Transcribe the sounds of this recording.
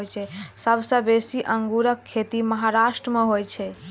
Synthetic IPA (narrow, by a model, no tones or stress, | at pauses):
jt͡ʃʰɛsəbsə̃besiʔəŋɡuɾəkʰːet̪iməɦaɾaʃʈɾəmeɦojt͡ʃʰɛ